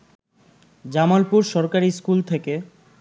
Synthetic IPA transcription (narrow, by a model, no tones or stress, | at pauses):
d͡ʑamalpuɾʃɔɾkaɾiskult̪ʰeke